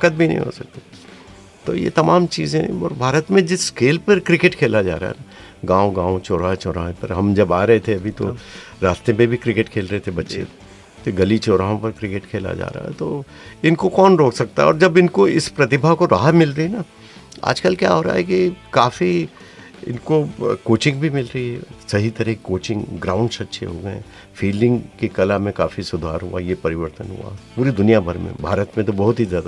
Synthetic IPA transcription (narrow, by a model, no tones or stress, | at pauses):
kət̪̚bʱinɐ̰ɦḭ̃ɦo̰ːsɐk̚t̪i | t̪o̰jḛt̪ɐmaːmt͡ʃiːzẽɔ̰ːɾbʱaːɾət̪mẽd͡ʒɪskeːlpɐɾkɾɪkeʈkʰeːlad͡ʒa̰ːɾa̰aɦɛ̰ | ɡãːõɡãːõt͡ʃoːɾaːt͡ʃɔːɾa̰ːɦẽpɐɾɦɐmd͡ʒɐbaːɾɐɦet̪ʰeɐbʱit̪o̰ | ɾaːst̪epẽbʱikɾɪkeʈkʰeːlɾɐɦet̪ʰebɐtːʃḛ | t̪oɡɐlit͡ʃɔːɾaːɦõpɐɾkɾɪkeʈkʰeːla̰d͡ʒa̰ːɾa̰ːɦɛ̰t̪oː | ɪnkokɔːnɾoːksɐk̚t̪a̰ɦɛɔ̰ːɾd͡ʒɐbɪnkoɪspɾɐt̪ɪbʱakoɾaːɦamɪlɾɐɦina | a̰ːd͡ʒkəlkja̰ːɦoːɾa̰ːɦɛkikaːfi | ɪ̰nkokoːt͡ʃɪ̃ŋɡ̚bʱimɪlɾɐɦiɦɛsɐɦit̪ɐɾəkoːt͡ʃɪ̃ŋɡɡɾãːʊ̃ɳɖsɐtːʃʰḛɦoːɡɐeɛ̃ | fiːlɖɪ̃ŋɡkikɐlamẽkaːfisʊd̪ʱaːɾɦuajepɐɾɪʋəɾt̪ənɦṵa̰puːɾid̪ʊnijabʱɐɾmḛ̃bʱaːɾət̪mẽt̪̬obɐɦʊt̪ɦizjaːd̪a